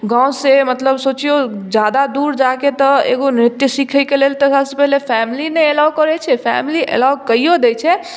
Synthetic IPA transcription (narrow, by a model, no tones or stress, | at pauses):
ɡãwsemət̪ləbsot͡ʃiod͡ʒjad̪ad̪uɾd͡ʒaket̪ɔḛɡonɾɪt̪jəsikʰəjkelelt̪əsabsepɛɦlepʰɛmilineelakəɾɛt͡ʃʰɛpʰɛmiliʔḛlawkəijod̪et͡ʃʰɛ